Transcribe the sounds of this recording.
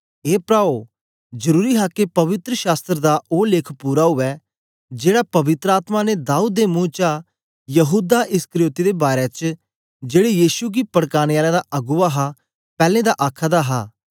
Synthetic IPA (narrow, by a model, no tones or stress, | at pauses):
eːpɾaːo | d͡ʒəɾuːɾiɦakepɐʋɪt̪ɾəʃaːst̪ɾəd̪aʔoːlɪːkʰpuːɾaɦʊʋɛ | d͡ʒeːɽapɐʋɪt̪ɾəaːt̪maned̪aːuːd̪ːemũːt͡ʃa | jəɦuːd̪aʔɪskəɾɪjoːt̪id̪ebaːɾet͡ʃ | d͡ʒeːɽejiːʃuɡipɐɽkaːnjaːlad̪aʔɐɡʊaɦa | pɛːlẽːd̪aʔaːkʰad̪aɦaː